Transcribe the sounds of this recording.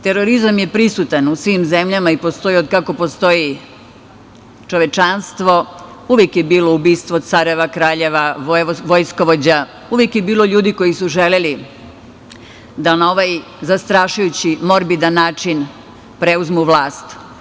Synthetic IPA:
t̪e̞ɾoɾizamje̞pɾisut̪anusʋimze̞mʎamaipo̞st̪o̞jiod̪kako̞po̞st̪o̞ji | t͡ʃoʋe̞t͡ʃanst̪ʋo̞ | uʋjekjebiːlo̞ubiːst̪ʋot̪saɾeʋakɾaːʎe̞ʋaʋojsko̞ʋo̞d͡ʑa | uʋjekjebiːlˠo̞ʎuːd̪iko̞jisuʒe̞leli | d̪anao̞ʋaj | zast̪ɾaːʃujut͡ɕimo̞ɾbid̪anːaːt͡ʃin | pɾe̞uzmuʋlˠaːst̪

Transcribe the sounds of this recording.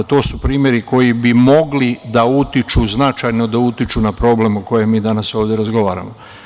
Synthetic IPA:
t̪o̞ːsupɾiːmjeɾiko̞jibimo̞ɡlid̪aut̪it͡ʃuznat͡ʃajno̞d̪aut̪it͡ʃunapɾo̞ble̞muko̞jemːiːd̪anaso̞ːʋd̪jeɾazɡo̞ʋaːɾa̰mo

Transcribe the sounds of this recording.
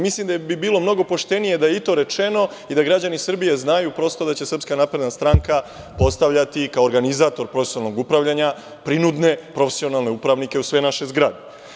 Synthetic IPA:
mislimd̪abibiːlo̞mno̞ɡo̞po̞ʃt̪e̞nije̞d̪ajeit̪o̞ɾe̞t͡ʃe̞no̞ | id̪aɡɾad͡ʑanisrbije̞znajupɾo̞st̪o̞d̪at͡ɕe̞srpskanapɾe̞d̪nast̪ɾaŋka | po̞st̪aʋʎat̪ikaoɾɡanizaːt̪o̞ɾpɾo̞fesialˠnoɡupɾaʋʎaɲa | pɾinud̪ne̞pɾo̞fesio̞nalˠne̞upɾaʋnike̞usʋe̞naʃe̞zɡɾad̪e

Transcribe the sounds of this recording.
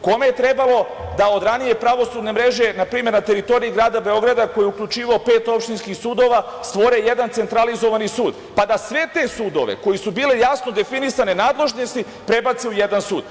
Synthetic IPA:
ko̞me̞jet̪ɾe̞balo̞ | d̪ao̞d̪ɾanije̞pɾaʋo̞sud̪ne̞mɾe̞ʒe̞napɾiːme̞ɾnat̪e̞ɾit̪o̞ɾiiɡɾaːd̪abe̞o̞ɡɾad̪ako̞jiukʎʲut͡ʃiːʋaopeːt̪o̞pʃt̪inskixsuːd̪o̞ʋa | st̪ʋo̞ɾejed̪ant̪e̞nt̪ɾalizo̞ʋanisuːd̪ | pad̪asʋe̞t̪e̞suːd̪o̞̰ʋḛko̞jisubiːle̞jasno̞d̪e̞finisane̞naːd̪le̞ʒnost̪i | pɾe̞bat̪siuje̞d̪ansuːd̪̥

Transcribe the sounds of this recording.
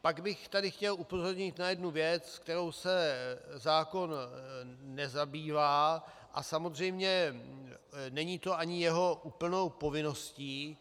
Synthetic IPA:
paɡbɪxt̪adɪxcɛlʔupo̞zo̞ɾɲɪt̪najɛdnuvjɛt͡skt̪ɛɾo̞wsɛzaːko̞nː | ɛzabiːvaː | ʔa̰samozr̝ɛjmɲɛ | nɛɲiːt̪o̞ʔaɲɪjɛɦo̞ʔuːpl̩no̞wpo̞vɪno̞sciː

